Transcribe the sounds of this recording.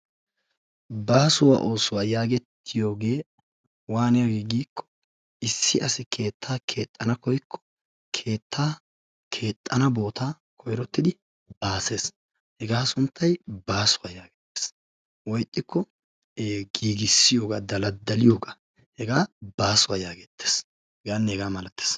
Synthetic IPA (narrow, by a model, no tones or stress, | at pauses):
baːsʊwa̰ːʔo̞ːsʊwaːjaːɡɛt̪ːɪjo̞ːɡe̞ː | waːnɛjɡiːɡiːkʰːɔ̥ | ɪsːɪʔɐsɪkʰe̞ːt̪ʰːaːkʰe̞ːt̪ʼːɐnɐkɔjkʰːɔ̥ | kʰe̞ːt̪ʰːaː | kʰe̞ːt̪ʼːɐnɐbo̞ːt̪aː | kʰɔjɾɔt̪ːɪd̪ɪ | baːse̞ːs | hɛɡaːsʊnt̪ʰːɐjbaːsʊwaːjaːɡɛ̥t̪ːe̥ːs | wɔjt̪ʼːɪkːɔ | ɡiːɡɪsːɪjo̞ːɡaːd̪ɐlɐd̪ɐlɪjoːɡa | hɛɡaːbaːsʊwaːjaːɡɛt̪ːe̥ːs | hɛɡaːnːɛhɛɡaːmɐlɐt̪ːe̥ːs